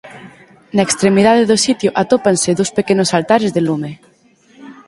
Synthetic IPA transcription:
nɐekst̪ɾemið̞aðeðʊsit̪joʔat̪opansɪðowspekenʊsalt̪aɾezðelume

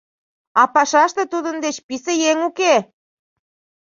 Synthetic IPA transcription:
ɑpɑʃɑʃt̪ĕt̪ud̪ənd̪et͡ɕpisejeŋuke

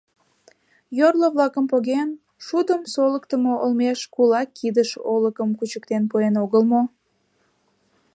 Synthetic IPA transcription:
jorləβlɑkəmpoɣen | ʃud̪əmsoləkt̪əmoʔolmeʃkulɑkʰːid̪əʃoləkəmkut͡ɕək̚t̪enpuenoɣəlmo

